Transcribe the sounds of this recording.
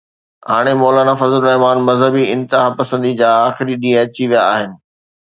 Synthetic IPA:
ɦaːɽ̃emɔːlaːnafɐzəlʊɾɐɦɪmaːnmɐzɦəbiɪ̃nt̪ɪɦapɐsə̃nd̪id͡ʑaːxɪɾiɗĩːə̃ɐt͡ɕiʋijaaːɦɪnɪ̆

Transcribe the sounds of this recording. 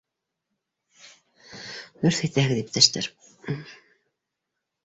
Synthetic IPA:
ɵɾθæjt̪æhɘ̆ɣd̪ip̚t̪ʰæʃt̪ɘ̰ɾ

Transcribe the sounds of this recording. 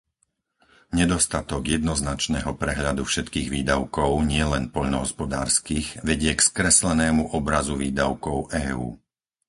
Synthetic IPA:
ɲɛd̪ɔst̪at̪ɔɡjɛd̪nɔznat͡ʃnɛːɦɔpɾɛɦʎad̪ufʃɛt̪kiːɣʋiːd̪aʊkɔʊɲɪɛlɛnpɔʎnɔɦɔspɔd̪a̰ːɾskiɣʋɛɟɪɛkskɾɛslɛnɛːmuʔɔbɾazuʋiːd̪aʊkɔʊʔɛːuː

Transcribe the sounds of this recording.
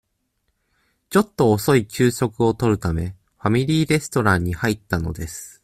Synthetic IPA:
t͡ɕo̞t̪ːo̞ːso̞it͡ɕɨːɕo̞kɯ̟o̞t̪o̞ɾɯ̟t̪ame̞ | ɸamʲiɾʲiːɾe̞sɨ̥t̪o̞ɾãɲ̟ːihait̪ːano̞̰d̪e̞sɨ̥

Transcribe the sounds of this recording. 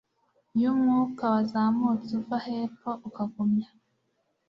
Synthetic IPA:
jumŋuːkawazamut͡suvahepoʔukaɡomɲa

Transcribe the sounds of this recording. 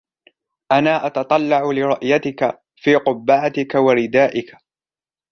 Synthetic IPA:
ʔanaːʔɑt̪ɑt̪ˤɑlːɑʕʊlɪɾˤʊʔjat̪ɪka | fiːqʊbːaʕat̪ɪkawaɾɪd̪aːʔɪka

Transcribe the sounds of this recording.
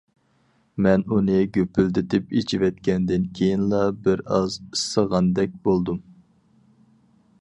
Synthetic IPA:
mɛnunɨɡʲøpʰyld̪ɪt̪ɪpet͡ʃʰivɛt̪kʲɛnd̪ɪnkʲʰejinlˠɑbɪɾɑzisːəʁɑnd̪ɛk̚ʲbolˠd̪um

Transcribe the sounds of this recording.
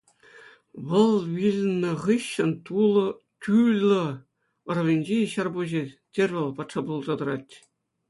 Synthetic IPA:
ʋɤ̆lˠʋʲilʲnʲːɤ̆ʁɯɕːɘ̆nt̪ulˠɤ̆ | kʲylʲɤ̆ | ɤ̆rɤ̆ʋʲenʲd͡ʑeɕɑrbuʑetʲerʲʋʲɘ̆lʲˠpɑt̪ʂɑbulˠzɑd̪ɤ̆ɾɑtʲ

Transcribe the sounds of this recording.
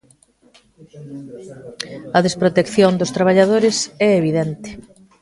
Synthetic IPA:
ɐðespɾot̪ekθjond̪ost̪ɾaβ̞aʎað̞oɾɪsɛeβiðɛnt̪ɪ̥

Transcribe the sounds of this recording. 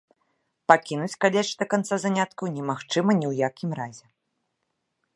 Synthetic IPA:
pakʲinut͡sʲkalʲɛʂd̪ɐkant̪sazanʲat̪kɐwnʲɛmaxt͡ʂɨmɐnʲɛwjakʲimɾazʲɛ

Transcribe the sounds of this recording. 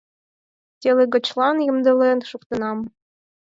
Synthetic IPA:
tʲelʲĕɡɤ̆t͡ɕlˠɑnjɤ̆md̪ɤ̆lenʃukt̪ɤ̆nɑm

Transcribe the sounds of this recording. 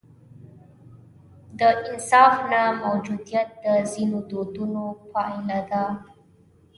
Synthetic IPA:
d̪əʔinsafnamawd͡ʒud̪iət̪̚d̪əzinud̪od̪unopʰaĩlada

